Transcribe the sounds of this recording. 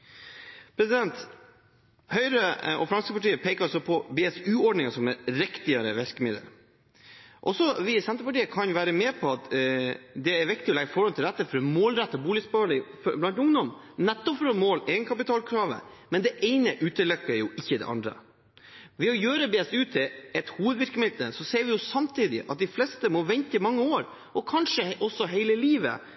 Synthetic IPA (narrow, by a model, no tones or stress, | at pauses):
pʰɾɛsɪd̪ɛnt̪ | hœʏɾəʔɔ̰fɾɑnskəpɑʈiːəpʰeːkəɾɑsɔpʰɔbeːɛsʉːɔɖnɪŋɑsɔmæɾɾɪkt̪ɪɑɾə̰ʋæɾkəmɪd̪ə̰ɾ | ʔɔ̰sɔʋɪsɛnt̪ɾəpɑʈiːəkʰɑnʋæːɾəmɛːpʰɔɑt̪ | d̪ɛæɾʋɪkt̪ɪɔlɛɡəfɔɾɑnt̪ʰɪlɾɛt̪ːəfɔɾmoːlɾɛt̪ːɔbuːlɪsbɑːɭɪfblɑnt̪ʊŋd̪ɔm | nɛt̪ːɔpfɾɔmoːlɛɡnkʰɑpɪt̪ʰɑːlkʰɾɑːʋə̰mɛnd̪ɛʔeɪnəʔʉːt̪əlœkːəɾjʊʔɪçːəd̪ɛ̰ʔɑ̰nd̪ɾə̰ | ʋɛɔjøːɾəbeːst̪ʉːt̪ʰːɪɛt̪huːʋəd̪ʋɪɾkəmɪd̪əsɔseːɾʋɪjʊsɑmt̪ʰiːd̪ɪ̰ʔɑ̰t̪̚d̪ɪflɛst̪əmɔʋɛnt̪əmɑŋːəoːɾ | ʔɔkʰɑnʂəʔɔsɔɦeɪləliːʋə̰